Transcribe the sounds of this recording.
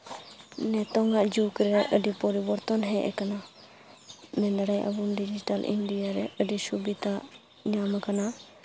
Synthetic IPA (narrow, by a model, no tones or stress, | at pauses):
nɛt̪ɔŋaʔd͡ʒukɾɛʔəɖipɔɾibɔɾt̪ɔnɦɛʔɛ̰kana | mɛnd̪aɾajʔa̰bunɖid͡ʒiʈalʔḭndijaɾɛəɖisubit̪aʔ | ɲamakana